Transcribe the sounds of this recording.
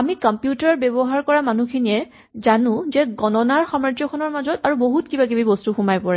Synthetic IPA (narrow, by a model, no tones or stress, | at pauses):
amikɔmpjutaɹbɛbɔɦaɹkɔɹamanukʰinijɛ | zanʊ̃zɛɡɔnɔnaɹxɔmɹatjɔkʰɔnɔɹmazɔtaɹuboɦutkibaɡibibɔstuxumajpɔɹɛ